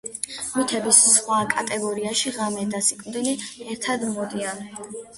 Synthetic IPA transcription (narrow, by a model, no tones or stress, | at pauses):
mit̪ʰɛbissχwakʼat̪ʼɛɡɔɾiaʃiʁamɛd̪asikʼmd̪iliɛɾt̪ʰad̪mɔd̪ian